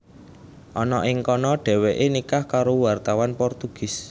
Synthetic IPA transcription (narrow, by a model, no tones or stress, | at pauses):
ʔɔnɔʔɪŋkɔnɔɖ̥ɛ̤weʔenikahkaɾowart̪awanpɔrt̪uɡ̥ɪ̤s